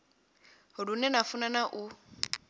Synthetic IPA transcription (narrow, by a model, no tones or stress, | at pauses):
hʊɺunɛnafunanaʔu